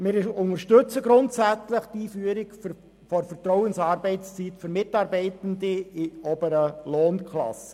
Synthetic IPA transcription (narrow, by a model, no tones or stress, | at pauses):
mɪːɾʊnəɾʃtɵt͡səɡɾʊntsæt͡sləχtiːfyəɾɪɡf | fɔɾfərtrɔʊənsɑːɾbɛɪtt͡st͡sitfʏɾmɪtɑːɾbɛɪtəndiɪɔbəɾəlɔːnkʰlɑ̰sə̥